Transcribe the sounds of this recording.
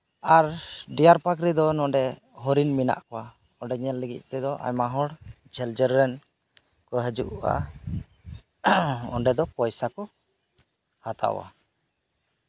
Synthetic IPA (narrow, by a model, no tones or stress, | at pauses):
aɾɖijaɾpak̬ɾid̪ɔnɔɖɛ | ɦɔɾinmina̰ʔkɔwa | ɔɖɛɲɛlːəɡḭc̪̚ˀt̪ɛd̪ɔʔa̰ɲmaɦɔɽ | d͡ʒʱɛld͡ʒəɾːɛn | kɔɦəd͡ʒuʔa̰ | ɔ̰ɳɖɛd̪ɔpɔjsakɔ | hat̪a̰wa̰